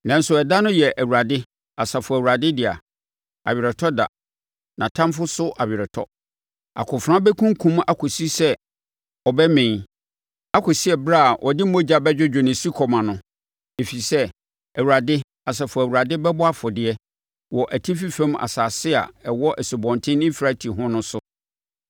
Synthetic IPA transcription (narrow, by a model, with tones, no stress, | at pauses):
nã˨n̩˦sʊ˨ɛ˨da˦nʊ̃˦jɛ˨ʔæ˨wu˨ɾa˨dɪ˦ | a˨sa˨fʊ˨æ˨wu˨ɾa˨dɪ˦dɪ˨a̰˨ | a̰˨ɥɪ˨ɾɛ˨tʰɔ˦da̰˨ | nã˨tʰã˦mfʊ˦sʊ˦ʔa˨bɪ˨ɾɛ˨tʰɔ̰˦ | a̰˨kʰʊ̃˨fɾã˦bɛ˦kʰũ˦ŋ˦kʰũ˦ma˦kʰʊ˨si˦sɛ˦ | ɔ˨bɛ˦mɪ̃˨ | a˦kʰʊ˨si˦ɛ˨bɾa˦˨ʔɔ˨dɪ˦õ˦d͡ʑa˨bɛ˦d͡ʑᶣʊ˦d͡ʑᶣo˨nɪ̃˨si˦kʰɔ˨mã˨nʊ̃˨˦ | e˨fi˨sɛ˦ | æ˨wu˨ɾa˨dɪ˦ | a˨s̬ɛ˨fʊ˨æ˨wu˨ɾa˨dɪ˦bɛ˦bʊ˦a˦fʊ˨dɪ˨ɛ˦ | wɔ˨ʔæ˨tʰĩ˦fi˦fɛ̃˦ma̰˨saː˨sɪ˦a̰˨ɛ˨wɔ˦ʔæ˨si˨bɔ̃˨ntʰɪ̃˦nɪ̃˦fɾa˦tʰi˨ɦʊ̃˦nʊ̃˦sʊ˦